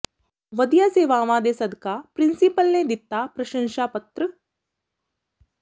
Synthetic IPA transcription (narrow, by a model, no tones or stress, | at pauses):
ʋɐd̪ijaːseːʋaːʋãːd̪esɐd̪ʱkapɾɪ̃nsipəlned̪ɪt̪ːaːpɾɐʃə̃ŋʃaːpɐt̪ɾə